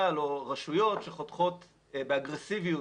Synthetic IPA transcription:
aloʁaʃujo̞tʃeχot̪χo̞t̪ | beaɡʁesiviju

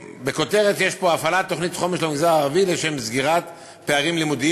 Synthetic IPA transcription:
be̞ko̞t̪e̞ʁet̪jeʃpo̞afalat̪ːo̞χnit̪χo̞meʃlemiɡzaaʁavileʃemzɡiʁat̪ | peaʁimlimud̪i

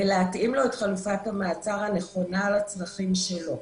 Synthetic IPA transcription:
veleatʔimlo̞etχalufathamaːt͡saʁhane̞χo̞nalat͡sʁaχimʃelo̞

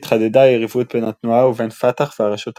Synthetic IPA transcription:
tχad̪ɛdajɛʁivuːt̚bɛnat̪nuawuvɛnfataχvaʁaʃut̪

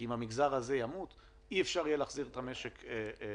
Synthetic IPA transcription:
imamiɡzaʁaze̞jamut̪ | iefʃaʁjelaːχziʁet̪ame̞ʃeke

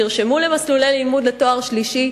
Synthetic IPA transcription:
iʁʃemule̞maslulelimud̪leto̞aʁʃliʃi

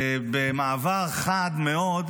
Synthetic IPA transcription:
bemaːvaʁχad̪meod̪

